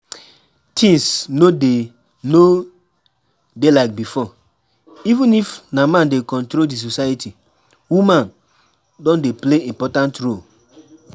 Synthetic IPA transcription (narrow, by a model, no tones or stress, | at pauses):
tʰĩŋsnode | no | delaɪk̚bifɔ | ivĩnifnamãndekɔ̃ntɾoldis̬osajitʰi | wumãn | dɔ̃ndepleĩmpɔtãntɹol